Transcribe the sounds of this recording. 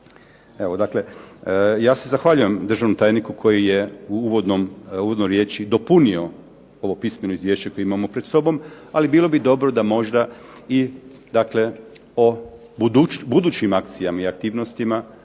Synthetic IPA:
eʋod̪akle̞ | jaːse̞zaxʋaʎuje̞md̪ɾr̩ʒaʋnomt̪aːjnikukʰo̞jije̞uuʋod̪nomuʋod̪nojɾje̞ːt͡ʃid̪o̞punio̞ | o̞ʋo̞pisme̞noizʋjeːʃt͡ʃeko̞jimamo̞pɾed̪so̞bo̞malibiːlo̞bid̪o̞bɾod̪amo̞ʒd̪ai | d̪akle̞ | o̞ | ud̪ubud̪uːt͡ɕimak̚t̪sijamaiak̚t̪iːʋno̞st̪ima

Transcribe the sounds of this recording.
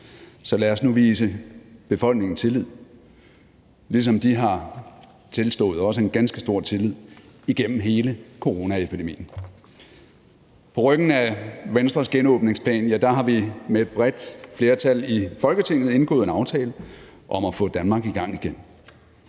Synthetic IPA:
sɒ̽læɐsnuʋiːs̬əb̥e̝fɒ̽l̰ɡ̥ne̝ŋn̩st͡sʰe̝lið̞̰ˠ | lis̬ɒ̽md̥iɦɑ̈ | t͡sʰe̝lsd̥ɔ̰̽ːð̩ˠɒ̽s̬əe̝nɡ̥ænsɡ̥əsd̥o̝ɐ̰t͡sʰe̝lið̰ˠiɡ̥en̰m̩ɦe̝ːləkʰo̝ʁo̝ːnæepʰid̥e̝mḭːn̩ | pʰɒ̽ʁœɡ̥n̩æʋensd̥ʁɐsɡ̥enɔ̽ːb̥ne̝ŋspʰlɛ̰ːnjæd̥ɑ̈ɦɑ̈ʋimee̝d̥̚b̥ʁɛd̥fle̝ːɐt͡sʰælifɒ̽lɡ̥ət͡sʰe̝ŋ̰ð̩ˠe̝nɡ̥ɔ̰̽ːð̩ˠenɑ̈ʊt͡sʰɛːlə | ʔɒ̽mæfɔ̰̽d̥ænmɑ̈ːɡ̥iɡ̥ɑ̈ŋ̰iɡ̥en̰

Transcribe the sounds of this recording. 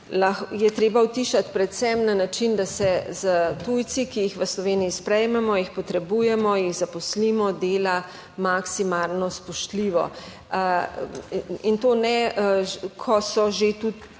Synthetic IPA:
laxjɛt̪ɾeːbawt̪iʃat̪pɾɛt̪sɛmnanat͡ʃind̪asɛzət̪ujsikijixʋəslɔʋeːniispɾɛjmɛmɔjixpɔt̪ɾɛbujɛmɔjiɣzapɔslimɔd̪eːla | maksimaːlnɔspɔʃt̪liʋɔ̰ | int̪oːnɛ | kʰɔsɔʒet̪ut̪

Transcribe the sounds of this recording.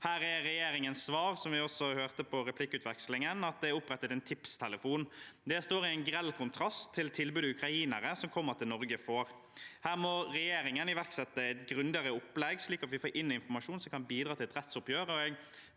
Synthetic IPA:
hæːɾɛɾɛjeːɾɪŋənssʋɑːɾsɔmʋɪɔsɔhøːʁt̪əpʰɔɾɛpʰlɪkːəʉːt̪ʋɛkslɪŋənɑt̪̚d̪ɛæɾʊpɾɛt̪ːət̪ɛnt̪ʰɪpst̪ʰɛləfuːnd̪ɛst̪oːɾɪæɪnɡɾɛlːkʰʊnt̪ʰɾɑst̪ʰːɪlt̪ʰɪlbʉːd̪əʉkɾɑiːnəɾəsɔmkʰɔmːəʁt̪ʰɪlnɔɾɡəfoːɾ | hæːɾmɔɾɛjeːɾɪŋənɪʋæʁksɛt̪ːəɛt̪ɡɾʉnd̪ɪəɾəʊpːlɛɡsliːkɑt̪ʋɪfoːɾʔɪnːɪnfɔɾmɑʂuːnsɔmkʰɑnbiːd̪ɾɑːt̪ʰɪlɛt̪ɾɛt̪sʊpjøːɾəɔɛɡ

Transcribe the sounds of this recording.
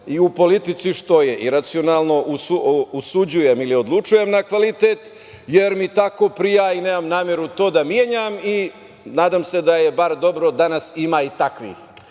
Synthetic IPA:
iupo̞lit̪it̪siʃt̪o̞je̞ʔiɾat̪sio̞naːlˠno̞ʔusuusud͡ʑuje̞milio̞d̪lˠut͡ʃuje̞mnakʋalit̪et̪ | je̞ɾmit̪ako̞pɾijaineːmamnaːmje̞ɾut̪o̞ːd̪amjeɲami | naːd̪amse̞d̪ajebaɾd̪o̞bɾo̞d̪anasimaːit̪akʋḭx

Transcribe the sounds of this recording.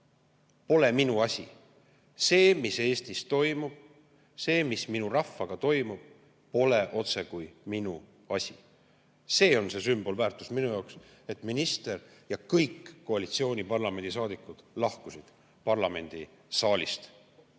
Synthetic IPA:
po̞le̞minuɑsʲi | se̞ːmise̞ːst̪ist̪o̞jmub̥ | se̞ːmisminurɑfːɑɡ̥ɑt̪o̞jmub̥̚ | po̞le̞ʔo̞t̪se̞kujminu | ɑsʲi | se̞ːo̞nse̞symb̥o̞lvæːrt̪ːˑu̥sminujɑoks | e̞t̪minist̪e̞rjɑkɤjkːoɑlit̪sio̞ːnʲipɑrlɑme̞nd̪̥ʲis̬ɑːd̪ikːˑud̪̥lɑhkusid̪̥ | pɑrlɑme̞nʲd̪̥i | sɑːlʲḭst̪

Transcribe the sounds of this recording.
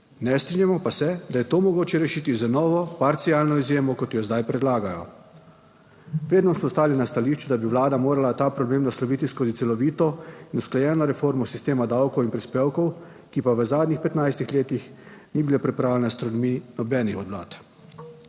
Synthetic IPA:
nɛst̪ɾinjamɔpasɛd̪ajɛt̪oːmɔɡoːt͡ʃɛɾɛʃiːt̪izanɔːʋɔpaɾt̪sialnɔizjeːmɔkɔt̪jjɔzd̪ajpɾɛd̪laːɡajɔ̰ | ʋeːd̪nɔsmɔst̪aːlinast̪aliːʃt͡ʃud̪abiʋlaːd̪amoːɾalat̪aːpɾɔbleːmnaslɔʋiːt̪iskozit̪sɛlɔʋiːt̪ɔinusklajɛːnɔɾɛfoːɾmɔsist̪eːmad̪awkɔwinpɾispeːwkɔw | kipaʋəzaːd̪nʲixpɛt̪najst̪ixleːt̪ixniːbilepɾipɾaːwlʲɛnast̪ɾɔd̪minɔbɛːnixɔd̪ʋla̰ːt̪

